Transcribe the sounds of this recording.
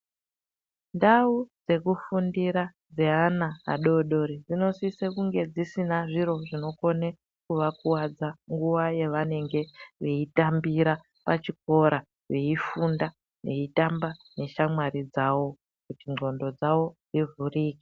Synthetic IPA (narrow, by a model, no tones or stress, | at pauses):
ndaud͡ze̞kufundiɾa | d͡ze̞ana̰ːɗo̞ɗo̞ɾid͡zino̞sisekuŋɡe̞d͡zisinaʐiɾo̞ʐino̞ko̞ne | kuʋakuwad͡zaŋɡuʋaje̞ʋane̞ŋɡe̞ʋe̞itambiɾa | pat͡ʃik̚o̞ɾa | ʋe̞ifunda | ne̞itambane̞ʃamwaɾid͡zawo̞ | kutiŋʱo̞ndo̞d͡zawo̞d͡zivuriːki̥